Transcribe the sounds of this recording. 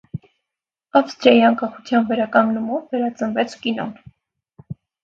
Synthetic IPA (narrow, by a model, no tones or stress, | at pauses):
ɑfst̪ɾjɑjiɑŋkɑχut͡sʰjɑnvɛɾɑkɑŋɡnumɔvːɛɾɑt͡sənvɛt͡sʰkinɔ̰n